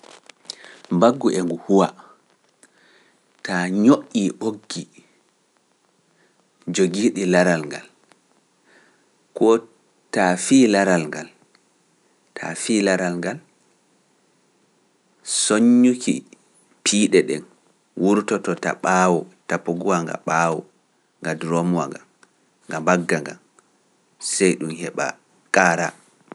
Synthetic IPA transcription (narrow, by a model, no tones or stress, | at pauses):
mbaɡːuʔɛŋɡuhuwa | taɲoʔːiʔoɡːi | d͡ʒoɡiɗilaɾalŋɡa̰l | kɔ | tafiːlaɾalŋɡal | tʰa̰fiːlaɾalŋɡal | soɲːukʰḭ | pʰiːɗɛɗɛn | wuɾtɔtɔta̰ɓawɔtapːoɡuwaŋɡa̰ɓawɔ | ŋɡadɾomuwa̰ŋɡam | ŋɡambaɡːaŋɡa̰m | sɛjɗumhɛɓa̰ | kʼaːɾa̰